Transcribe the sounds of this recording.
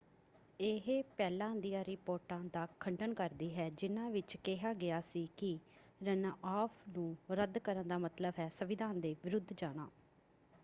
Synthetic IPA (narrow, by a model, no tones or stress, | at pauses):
eɦepɛːlãːd̪ijãːɾɪpoːɾʈãːd̪aːkʰəɳɖənkəɾd̪iːɦɛːd͡ʒɪnãːʋɪt͡ʃkɛɦaːɡɪjaːsiːkɪ | ɾənaʔaːpʰnũːɾəd̪kəɾənd̪aːmət̪ləbɦɛːsəʋɪd̪ʱaːnd̪eːʋɪɾʊd̪ʱd͡ʒaːɽ̃aː